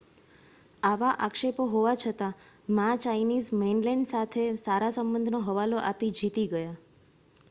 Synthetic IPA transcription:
aʋaʔakʃepoɦoʋat͡ʃʰət̪a | mãt͡ʃainizmenlɛɳɖsat̪ʰesaɾasəmbənd̪ʱnoɦəʋaloʔapid͡ʒit̪iɡəja

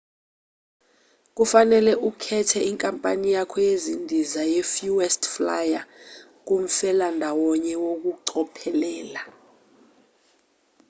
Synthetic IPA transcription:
k̬ufanɛlɛʔukʰɛtʰɛiŋkʼampʼa̰nijakʰɔjezindʱizajɛfjuwɛstflaja | k̬um̩fɛlandʱawɔɲɛwok̬uǀɔpʰɛlɛːla

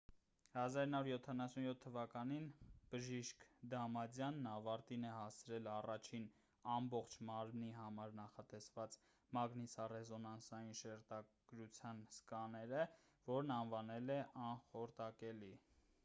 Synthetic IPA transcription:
hɑzɑɾinɑvuɾjɔt̪ʰːɑnɑsunjɔt̪ʰːəvɑkɑninb̥əʒiʃkd̪ɑmɑd͡zjɑnːɑvɑɾt̪inɛhɑst͡sʰɾɛlɑrɑt͡ʃʰin | ɑmbɔχt͡ʃʰmɑɾmniɦɑmɑɾnɑχɑt̪ɛsvɑt͡s | mɑɡnisɑrɛzɔnɑnsɑjinʃɛɾt̪ɑɡ̥ɾut͡sʰjɑnskɑnɛɾə | vɔɾnɑnvɑnɛlɛʔɑnχɔɾt̪ɑkɛli

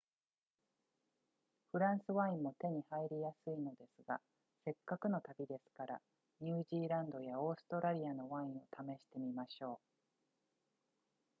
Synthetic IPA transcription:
ɸɯ̟ɾãɰ̃sɨβãĩmmːo̞t̪e̞ɲ̟ihaiɾʲijasɨino̞d̪e̞sɨɡa̰ | se̞kːakɯ̟no̞t̪abʲid̪e̞sɨ̥kaɾa̰ | ɲ̟ɨːʑiːɾãnd̪o̞jao̞ːsɨ̥t̪o̞ɾaɾʲiano̞βãĩɰ̃o̞t̪ame̞ɕi̥t̪e̞mʲimaɕo̞ː

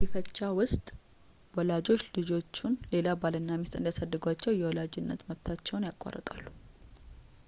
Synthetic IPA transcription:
bifət͡ʃːawʊst̪ʼ | wɔlad͡ʒo̞t͡ʃːlɨd͡ʒo̞t͡ʃːunle̞labalɨnːamist̪ʼɨnd̪jasədːɨɡʷat͡ʃːɛwjɛwɔlad͡ʒɪnːət̪məβt̪ʰat͡ʃːɛwnjakʼːa̰rə̰t̪ʼa̰lːu

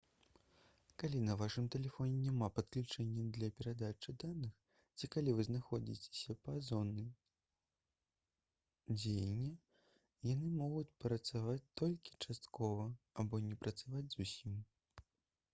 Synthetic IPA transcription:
kalʲinɐvaʂɨmt̪ɛlʲɛfɔnʲɛnʲamapɐt̪̚klʲut͡ʂɛnʲːɐd̪lʲɐpʲɛɾad̪at͡ʂɨd̪anɨx | t͡sʲikalʲivɨznaxɔd͡zʲḭt͡sʲe̥sʲɐpɐzɔnːɨ | d͡zʲejɛnʲːɛ | janɨmɔɣut͡sʲpɾɐt̪savat͡sʲt̪ɔlʲkʲi̥t͡ʂast̪kɔvɐabɔnʲɛpɾɐt̪savad͡zʲzusʲim

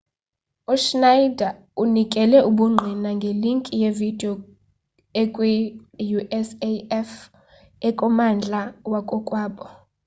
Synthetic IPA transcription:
uʃnaida | unikʼɛlɛʔuɓuŋ͡ǃʱinaŋɡʱeliŋkʼijevid̥ʱiɔ | ɛkʼwɛjuʔɛseɛf | ɛkʼɔmand͡ɮʱawakʼɔkʼwaːɓɔ

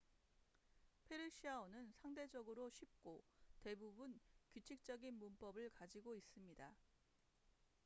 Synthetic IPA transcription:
pʰe̞ɾɯɕʰiaonɯnsʰaŋde̞d͡ʑʌɡɯɾoɕʰip̚k͈ote̞bubunkut͡ɕʰik̚t͡ɕ͈ʌɡinmump͈ʌbɯɭkad͡ʑiɡois͈ɯmɲida

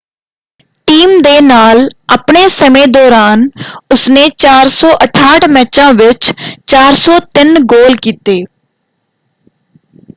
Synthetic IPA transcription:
ʈiːmd̪eːnaːlapɳeːsəmẽːd̪ɔːɾaːnʊsneːt͡ʃaːɾsɔːʔəʈʰaːʈmɛːt͡ʃãːʋɪt͡ʃt͡ʃaːɾsɔːt̪ɪnɡoːlkiːt̪eː

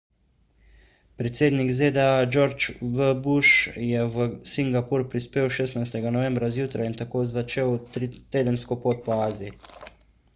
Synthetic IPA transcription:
pɾɛt̪seːd̪nikzeːd̪ɛad͡ʒoɾt͡ʃʋəbuʃjɛʋəsiŋɡapuɾpɾispeːwʃeːsnajst̪ɛɡanɔʋɛ̃mbɾazjuːt̪ɾajint̪akoːzat͡ʃeːwt̪eːd̪ənskɔpoːt̪̚pɔaːziji

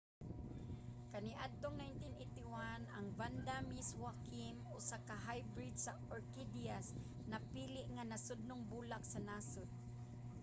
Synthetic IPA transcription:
kɐniʔad̪̚t̪oŋnajnt̪inejt̪ɪwanɐŋvand̪amiswakimosakaɦajbɾid̪sa | ɔɹkid̪ias | nɐpiːlɪʔŋanɐsʊd̪̚nʊŋbuːlak̚sanasʊd̪̚

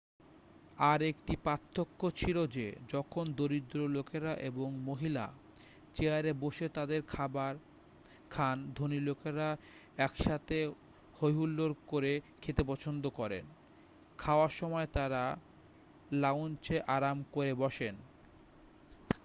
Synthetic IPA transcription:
aɾekʈipat̪ʰːokːot͡ɕʰilod͡ʑed͡ʑɔkʰond̪oɾid̪ɾolokeɾaʔeboŋmoɦila̰ | t͡ɕeaɾeboʃet̪ad̪eɾʰabaɾ | kʰand̪ʱonilokeɾa | ɛkʃat̪ʰe | hojɦulːoɾkoɾekʰet̪epɔt͡ɕʰond̪okɔɾḛn | kʰaoaɾʃɔmɔet̪aɾa | laont͡ɕeʔaɾamkoɾebɔʃen

